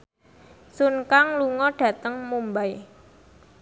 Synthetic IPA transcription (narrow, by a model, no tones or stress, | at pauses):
sunkaŋluŋɔɖ̥ä̤t̪əŋmumbaj